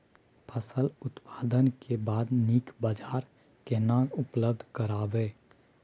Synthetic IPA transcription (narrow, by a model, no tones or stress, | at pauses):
pʰəsəlʊt̪paːd̪ənkebaːd̪niːkbad͡ʒaːɾ | kenãːkʊpləb̚d̪ʱkəɾaːbeː